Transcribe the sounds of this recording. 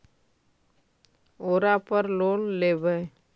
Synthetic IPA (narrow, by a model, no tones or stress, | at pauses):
oːɾapəɾloːnleːbə